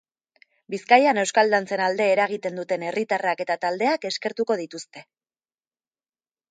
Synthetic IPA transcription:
biskajane̞wskald̪ant͡se̞nald̪e̞ːɾaɣit̪e̞nd̪ut̪e̞ne̞rit̪arake̞t̪at̪ald̪e̞ake̞ske̞ɾt̪uko̞ð̞it̪ust̪e̞

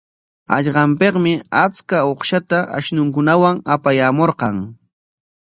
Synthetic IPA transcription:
a̰ʎɢɑmpeqmɪat͡skaoχʃat̪aʔa̰ʃnʊŋkʊnawaŋapajaːmoɾqɑŋ

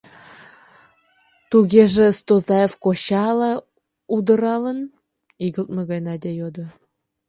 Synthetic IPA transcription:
t̪uɣʲeʒĕst̪ozɑjefkoɕɑlɑ | ud̪ə̆ɾɑlə̆n | iɡə̆lt̪̚mə̆ɣɑjnɑd̪ʲejod̪ŏ

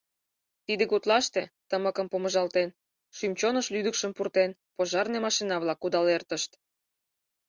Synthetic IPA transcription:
t̪id̪ekot̪lɑʃt̪et̪əməkəmpoməʒɑlt̪en | ʃymt͡ɕonəʃlyd̪əkʃəmpurt̪enpoʒɑrnemɑʃinɑβlɑkud̪ɑlert̪əʃt̪

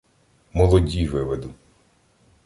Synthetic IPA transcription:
mɔlˠɔdʲiʋɪʋed̪u

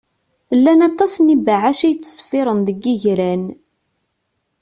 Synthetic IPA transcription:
lːænɑt̪ˤːɑsnibaʕaʃijt͡sːə̥sˤfɪɾˤənðəɡːiʝɾæn

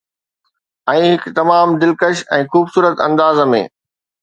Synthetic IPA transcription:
ɛ̃ːɦɪkt̪ɐmaːmd̪ɪlkəʃɛ̃ːxuːbsuːɾət̪ɐ̃nd̪aːzəmḛ̃ː

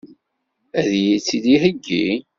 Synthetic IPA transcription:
æðjit͡sːiðiɦəɡːḭ

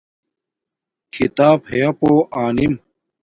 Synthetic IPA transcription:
kʰit̪aːbhejɐpoːʔaːnim

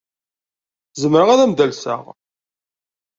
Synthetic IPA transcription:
zəmɾəʁaðæmd̪ælsə̰ʁ

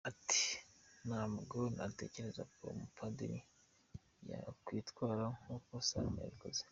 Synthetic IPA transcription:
ati̥naːmuɡonate̞̰ce̞ɾe̞za̰kwo̰mupʰademi | ja̰kwiːtwaːɾaŋukosania̰βikoze

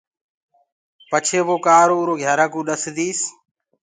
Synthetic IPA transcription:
pət͡ʃʰeːʋoːkaːɾoːuːɾoːɡʱjaːɾaːkũːɗəsd̪iːs

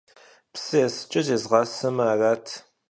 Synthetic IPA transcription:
psɨjɛsɨ̥t͡ʃʼɐzeːzʁɑːsɐmaːraːtʰ

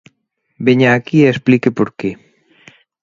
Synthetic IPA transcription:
beɲaːkiesplikepoɾke

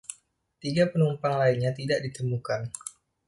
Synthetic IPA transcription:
t̪iɡapənumpaŋlainɲat̪idaʔdit̪əmukan

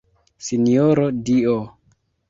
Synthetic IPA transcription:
sinioɾodio

